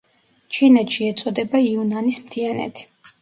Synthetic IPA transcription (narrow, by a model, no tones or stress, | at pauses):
t͡ʃʰinɛt̪ʃiɛt̪sʼɔd̪ɛbaiunanismt̪ʰianɛ̰t̪ʰi̥